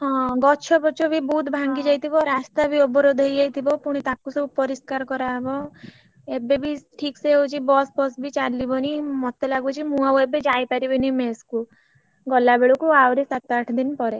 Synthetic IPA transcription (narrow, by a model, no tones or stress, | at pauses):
ɦɔ̃ɡɔt͡ʃʰɔbɔt͡ʃʰɔbibut̪bʱaŋɡid͡ʒajt̪ʰibɔɾast̪abiɔbɔɾod̪ʱɦejd͡ʒajt̪ʰibɔpuɽ̃it̪akusɔbupɔɾiskaɾkɔɾaɦebɔ | ebebiʈʰikseot͡ʃʰibɔsbɔsbit͡ʃalːibɔnimɔt̪elaɡut͡ʃʰimũawebed͡ʒajpaɾibɔnimesku | ɡɔlːabeɭukuawɾisat̪aʈʰd̪inpɔɾe